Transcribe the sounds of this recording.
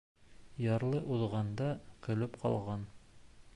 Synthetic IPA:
jɑɾlˠɤʔuðʁɑnd̪ɑkɵ̆lɘpqʰɑ̰lˠʁɑn

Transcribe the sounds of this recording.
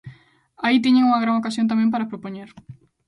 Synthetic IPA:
ait̪iɲẽŋuŋɐɣɾaŋokasjont̪amẽmpaɾapɾopoɲeɾ

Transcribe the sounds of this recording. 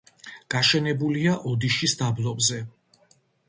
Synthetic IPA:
ɡ̥aʃɛnɛbuliaʔɔd̪iʃisd̪ablˠɔbzɛ

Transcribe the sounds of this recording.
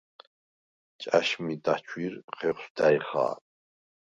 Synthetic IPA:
t͡ʃʼaʃmid̪at͡ʃʰwiɾχɛχʷsd̪ajχa̰ː

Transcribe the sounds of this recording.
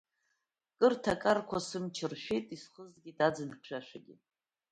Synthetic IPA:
kʼɨrtʰakʼarkʷʰasɨmt͡ʃʰɪrʃʷᶣejtʼisχəzɡʲidad͡zɨnʰʂʷᶣaʃᶣaɡʲḭ

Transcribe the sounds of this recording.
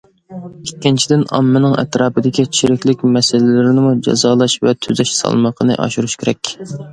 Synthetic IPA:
ikʲːint͡ʃʰid̪ɪnɑ̰mːɨnɨŋɛ̰t̪ɾɑːpɨd̪ɪkʲit͡ʃʰiɾɪkʲlɪkʲmɛsɪlɪlɪɾɪnɪmud͡ʒɑ̰zɑːlˠɑʃvɛt̪ʰyzɛʃsɑ̰lˠməqʰənɨ̰ʔɑ̰ʃuɾuʃkʲʰeɾɛkʲ

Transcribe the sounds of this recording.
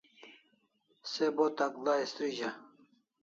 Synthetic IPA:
sebot̪aklaest̪ɾiʑa

